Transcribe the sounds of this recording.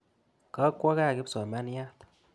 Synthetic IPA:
ka˨˦kʷɔ˦ka˦˨ki˦psɔ˨ma˦n˦ja˦t̪

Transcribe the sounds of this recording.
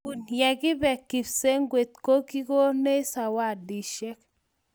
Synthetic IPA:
u˨njɛ˨ɡɪ˦bɛ˨kːi˨fse˦ŋɡwe˨t̪ko˦ki˦ko˦ne˦sa˨wa˦˨di˨ʃɛ˦k

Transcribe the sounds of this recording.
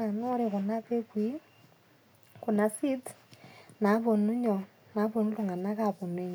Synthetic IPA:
a˨no˦ɾe˨ku˨na˦βe˦kwi˦ | ku˨na˨si˦t | na˨˦βo˨nu˦ɲɔ˨ | na˨˦βo˨nu˦lu˨ŋɡa˨na˦ka˦˨po˨ne˦ɲ˨

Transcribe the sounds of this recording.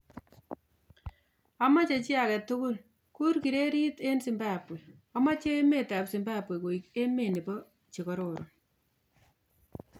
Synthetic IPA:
a˨ma˦t͡ʃe˨t͡ʃɪ˦akɛ˨tʊkʊ˦l | ku˦ɾki˨ɾe˦ɾi˦te˦nsi˨mba˦pwe˨a˦ma˦t͡ʃe˦me˦ta˨psi˨mba˦a˨pwe˨ko˨i˨ke˦me˨ni˨pɔ˦ | t͡ʃe˨kɔ˦ɾo˨ɾʔo˨

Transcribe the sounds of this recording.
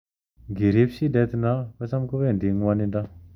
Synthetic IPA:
ŋɡe˩˨ɾi˩˨p̚ɕi˥dɛ˩˨t̪i˨na˩˨pʰa˥˨sʰa˥mko˥pɛː˨nd̪i˩˨ŋa˥˨ni˩˨nɖ͡ʐa˩˨

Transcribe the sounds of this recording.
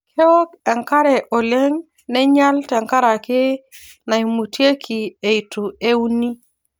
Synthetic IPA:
kʰɛ˦ɔ˦kɛ˨ŋka˦ɾɛ˨ʔɔ˨le˦ŋ | nɛ˦ɲa˦ltɛ˨ŋka˦ɾa˨kɪ˦ | na˨i˨mu˨tje˦kʰi˨e˨i˨tu˨e˦u˦ni˦

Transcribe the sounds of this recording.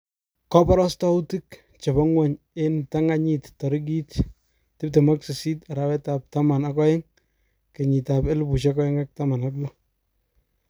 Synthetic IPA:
kɔ˦pɔ˦ɾɔ˦stɔ˦u˦ti˦k | t͡ʃe˨bɔ˦ŋwɛ˨ɲ | e˦nta˦ŋa˦ɲi˨ttɔ˨ɾi˦ɡ̬i˦t | tɪ˦p̚te˨ma˦ksɪ˨si˦ta˨ɾa˨wɛ˦ta˨p̚ta˦ma˨nakɔ˦jɪ˦ŋ | ke˨ɲi˨ta˨pe˦lbu˨ʃ̬akɔ˦jɪ˦ŋak̚ta˦ma˨na˦klɔ˦

